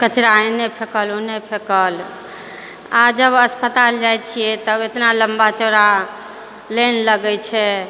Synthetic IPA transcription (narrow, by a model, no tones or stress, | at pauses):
kət͡ʃɾaenepʰekəlonepʰekəl | ad͡ʒəbəspət̪ald͡ʒaj̪t͡ʃʰijɛt̪əbet̪naləmbat͡ʃoɾa | lenləɡɛt͡ʃʰɛ